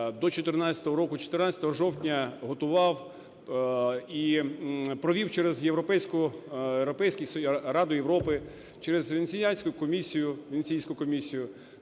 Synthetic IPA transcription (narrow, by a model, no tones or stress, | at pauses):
d̪ɔt͡ʃɔt̪ɪrnɑt͡sʲɐ̥t̪ɔɦɔɾɔkʊt͡ʃɔ̥t̪ɪrnɑt͡sʲɐ̥t̪ɔɦɔʒɔwtʲnʲɐɦɔt̪ʊʋɑw | i | pɾɔʋʲiwt͡ʃɛɾɛzjewɾɔpɛjsʲkʊewɾɔpɛjsʲkʲɪjsrɑd̪ʊjeʋɾɔpɪ | t͡ʃɛɾezʋensʲijasʲkʊkɔmʲisʲijʊʋʲensʲijsʲkʊkɔmʲisʲijʊ